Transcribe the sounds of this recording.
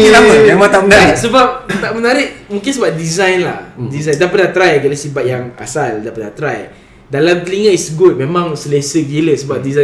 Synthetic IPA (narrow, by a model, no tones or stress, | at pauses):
ŋəlaməamat̪aʔmənaɾɪsəbap̚t̪aʔmənaɾɪʔmũŋkɪnsəbap̚dizajnla̰hdizajndapənat̪ɾajkalasibat̪̚jaŋa̰saldapadnat̪ɾaj | dalamt̪əliŋəisɡut̪̚memãŋsəlesəɡeləsəbap̚diza